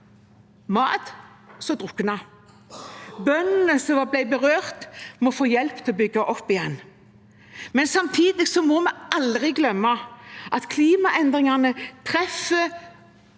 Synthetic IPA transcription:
mɑ̰ːt̪ | sɔd̪ʁʊkːnɑ | bœnnəsɔʋɑblæɪbəʁøːʁt̪mɔfoːjɛlpt̪ʰɪlɔbʏɡɑʔɔpːɪjɛn | mɛnsɑmt̪ʰiːd̪ɪsɔmɔmɛɑld̪ʁɪɡlœmːɑʔɑt̪kʰliːmɑʔɛnd̪ʁɪŋɑnət̪ʰʁɛfə

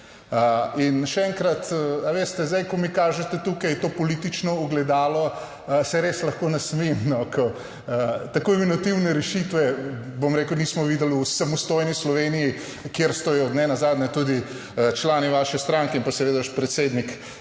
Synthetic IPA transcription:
əinʃɛɛŋkɾat̪aʋeːst̪ɛzd̪ajkɔmikaːʒɛt̪ɛt̪uːkajt̪oːpɔlit̪it͡ʃnɔuɡlɛd̪aːlɔ | sɛɾeːslɐxkoːnasmimnɔkʰɔ | t̪akojminot̪iwnɛɾɛʃit̪ʋɛbomɾeːkəwnismɔʋiːd̪əlusamɔst̪ojnislɔʋeniji | kjeɾst̪ɔjɔd̪nɛnazaːd̪nɲɛt̪ud̪i | t͡ʃlaːniʋaːʃɛst̪ɾaŋkɛĩmpasɛʋeːd̪aaʃpɾɛt̪seːd̪nik

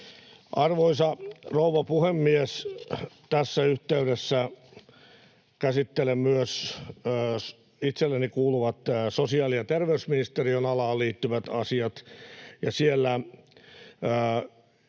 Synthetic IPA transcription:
ʔɑrʋoisɑrouʋɑpuhemːiest̪æsːæyht̪eyɾesːæ | kæsit̪ːelemyøsː | it̪selːenikuːluʋɑt̪ːsosiɑːlijɑt̪erʋeysminist̪erionɑlɑːlliːt̪ːyʋæt̪ɑsiɑt̪jɑsielːæ

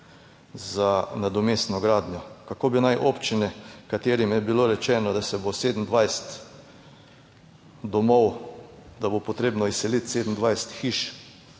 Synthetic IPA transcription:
zanad̪ɔmesnɔɡɾaːd̪nʲjɔkakoːbinajʔopt͡ʃinɛkat̪eːɾimjɛbiloɾɛt͡ʃɛːnɔd̪asɛboseːd̪n̩d̪ʋajst̪ | d̪ɔmɔwd̪abopot̪ɾeːbnɔisːɛlit̪sed̪n̩d̪ʋajst̪xiʃ

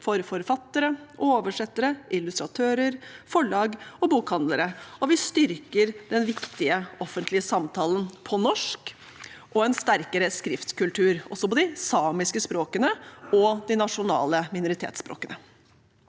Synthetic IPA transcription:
fɔɾfɔɾfɑt̪ːəɾəʔoːʋəʂɛt̪ːəɾəʔɪlʉst̪ɾɑt̪ʰøːɾəɾfɔɭɑːɡɔbuːkhɑnd̪ləɾəɔʋɪst̪ʏɾkəɾd̪ɛnʋɪkt̪ɪəɔfənt̪ʰlɪəsɑmt̪ʰɑːlənpʰɔnɔʂk | ʔɔɛnst̪æɾkəɾəskɾɪft̪kʉlt̪ʰʉːɾɔ̰sɔpɔd̪ɪsɑːmɪskəspɾoːkənəɔd̪ɪnɑʂʊnɑ̰ːləmɪnʊɾɪt̪ʰḛːt̪spɾo̰ːkənə

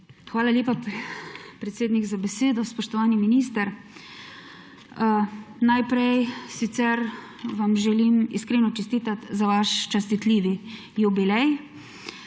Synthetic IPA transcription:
xʋaːlalʲeːpap | pɾɛt̪seːd̪niɡzabɛseːd̪ɔspɔʃt̪ɔʋaːniminist̪ɛɾ | najpɾɛjsit̪sɛɾ | ʋamʒɛlimḭskɾeːnɔt͡ʃɛst̪iːt̪at̪zaʋaʃt͡ʃast̪it̪liːʋi | jubilɛj

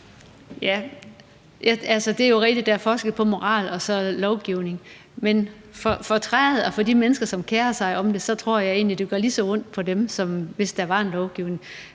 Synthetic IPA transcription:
jæ | jæælsəd̥e̝æɐjo̝ʁɛɡ̚d̥id̥ɑæɐfɒːsɡ̥ð̩ˠpʰɒ̽mo̝ʁɑ̰̈ːlɒ̽sɒ̽lɒʊɡ̥iʊne̝ŋ | men | fɒ̽fɒ̽t͡sʰʁaeð̩ˠɒfɒ̽dimenəsɡ̥ɐsɒ̽mkʰeːɐsɑ̈ɪʔɒ̽md̥e̝sɒ̽t͡sʰʁo̝ɐ̰jɑ̈ɪe̝̰ːnlid̥eɡ̥ɒɐlisɒ̽ɔ̽n̰d̥̚pʰɒ̽demsɒ̽mʋe̝sd̥ɑ̈ʋɑ̈e̝nlɒʊɡ̥iʊne̝ŋ

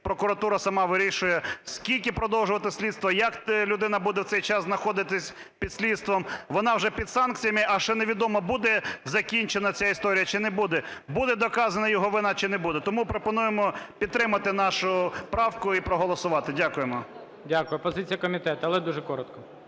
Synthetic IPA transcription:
pɾɔkʊɾɐt̪uɾɐsɐmɑʋɪɾʲiʃʊjɛskʲilʲkʲɪpɾɔd̪ɔwʒʊʋɐt̪ɪsʲlʲid̪st̪ʋɐjɐklʲʊd̪ɪnɐbud̪ɛwt̪sɛjt͡ʃɑsznɐxɔd̪ɪt̪ɪsʲ | pʲid̪sʲlʲid̪st̪ʋɔmʋɔnɑʋʒɛpʲid̪sɑnk̚t͡sʲijɐmɪʔɐʃɛneʋʲid̪ɔmɔbud̪ɛzɐkʲinʲt͡ʃenɐt͡sʲaist̪ɔɾʲijɐt͡ʃɪnɛbud̪ɛbud̪ɛd̪ɔkɑzɐnɐjɔɦɔʋɪnɑt͡ʃɪnɛbud̪ɛt̪ɔmupɾɔpɔnujemɔpʲid̪t̪ːɾɪmɐt̪ɪnɑʃʊpɾɑwkʊipɾɔɦɔlˠɔsʊʋɑt̪ɪdʲakʊjemɔ | dʲakʊjʊpɔzɪt͡sʲijɐkɔmʲit̪ɛt̪ʊɐlˠɛd̪uʒɛkɔɾɔt̪kɔ

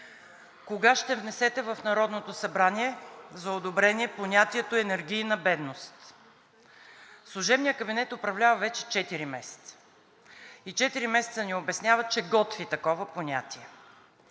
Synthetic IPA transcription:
koɡaʃt̪ɛvnɛsɛt̪ɛvɐfnɐɾɔd̪not̪osɐbɾanʲiɛzɐod̪obɾɛniɛponʲat̪iɛt̪oɛnɛɾɡʲijnɐbɛd̪nost̪ | slˠʊʒɛbnijəkəbinɛt̪opɾɐvlʲavəvɛt͡ʃɛ̥t͡ʃɛt̪iɾimɛsɛ̥t̪sə̥ | it͡ʃɛt̪iɾimɛsɛ̥t̪səniobɛsnʲavət͡ʃɛɡɔt̪vit̪ɐkɔvəponʲat̪iɛ

